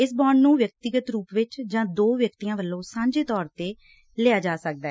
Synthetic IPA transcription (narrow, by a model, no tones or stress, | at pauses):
ɪsbɔːɳnũːʋjək̚t̪ɪɡət̪ɾuːpʋɪt͡ʃd͡ʒãːd̪oːʋjək̚t̪ijãːʋəlːõːsãːɲd͡ʒeːt̪ɔːɾt̪eː | lɪaːd͡ʒaːsək̚d̪aː